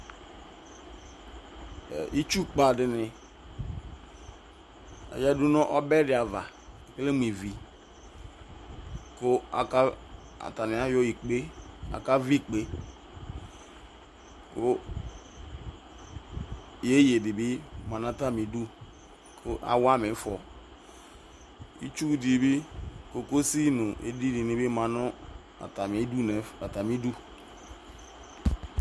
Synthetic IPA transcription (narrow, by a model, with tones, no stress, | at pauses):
ʔi˦t͡ʃu˦k͡pa˨dɪ˨nɪ˨ | a̰˨ja˦du˦nɔ̃˦ʔɔ˦bɛ˦dɪ˨a˨va˨ | ke˦le˦m˦˨ĩ˨vi˨ | kʊ˦a̰˨ka˦ | a̰˨ta˨nɪ˨a˦jo˦i˨k͡pe˦a̰˨ka˦vi˦k͡pe˦ | ko˦ | je˦je˨di˨bi˦ma˨n˦a˦ta˦mi˨˦du˦ | kʰo˦ʔa̰˨wa˦me˨˦fɔ̰˨ | ḭ˦t͡ʃu˦di˨˦bi˦ko˨ko˦si˦nʊ˨ʔḛ˨di˦di˨ni˨bi˦mã˨nʊ˦ | a̰˨ta˨me˨˦du˦ne˨a˨ta˨mi˦du˦